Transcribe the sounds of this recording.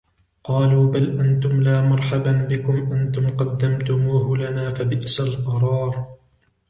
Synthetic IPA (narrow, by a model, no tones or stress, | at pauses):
qɑːluːbalʔant̪ʊmlaːmɑɾˤħababɪkʊmʔant̪ʊmqɑd̪ːamt̪ʊmuːhʊlanaːfabɪʔsalqɑɾˤɑːɾ